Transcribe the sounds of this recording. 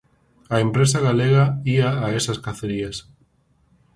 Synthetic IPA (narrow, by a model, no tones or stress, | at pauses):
aempɾesaɣaleɣaiaːesaskaθeɾias